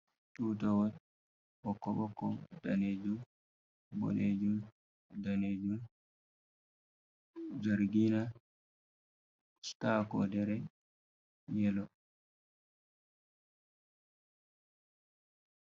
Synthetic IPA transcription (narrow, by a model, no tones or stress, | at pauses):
tuːtawɔ | ɓɔkːɔbɔkːɔdaned͡ʒum | bɔ̰led͡ʒum | daned͡ʒum | d͡ʒaɾɡina | stakɔ̰dɛɾɛ | jɛlɔ